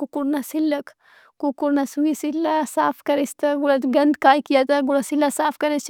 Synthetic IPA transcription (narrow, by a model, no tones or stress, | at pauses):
kukuɾnɐsilːɐk | kukuɾnasuwisilːasaːpʰkɐɾist̪ɐɡulɐɡɐnd̪kaːjkijat̪ɐɡulasilːasaːpʰkɐɾet͡ʃ